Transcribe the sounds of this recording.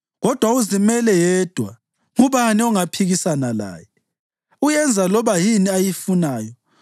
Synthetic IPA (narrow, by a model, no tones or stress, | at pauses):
ɣɔd̥ʱwauzimɛlɛjɛd̥ʱwa̰ | ŋuβaniɔŋapʰiɣisanala̰ːjɛ | ujɛnd͡zʱalɔβajiniajifunaːjɔ